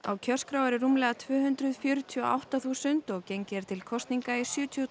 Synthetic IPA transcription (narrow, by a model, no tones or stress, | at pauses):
a̰wcʰœ̥skɾawaɾɪrumlɛɣat̪ʰvʏːɦʏnt̪ɾʏðfjʏːɾʏt̪ʰiɔa̰wht̪aθuːsʏnt̪ɔɣcejɲcɛɾ̥t̪ʰɪlkʰɔst̪niŋkaisjʏːt̪ʰiɔ